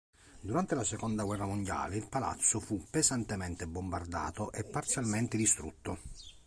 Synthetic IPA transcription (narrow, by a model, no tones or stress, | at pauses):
d̪uɾant̪elasekond̪aɡwɛrːamond̪ja̰ːleilpala̰t̪sːofupːezant̪ement̪ebombard̪a̰ːt̪oʔepːart̪sjalment̪ɪd̪ist̪ɾṵt̪ːo